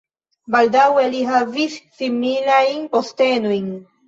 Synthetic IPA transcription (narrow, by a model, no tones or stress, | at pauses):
baldaweliɦavisːimilajnpo̞ste̞nojn